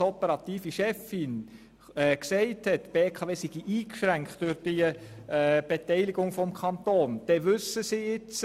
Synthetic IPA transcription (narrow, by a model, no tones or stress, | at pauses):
ɔpəɾɑt̪iːfiʃɛfɪn | ɛksɛɪthɛtb̥eːkʰɑːveːsiɡ̥iʔiːkʃʁæŋktʊɾd̥i | b̥etɛɪliɡʊŋfɔmkʰɑnt̪oːnd̥ɛʋʏsːəsiɪt͡s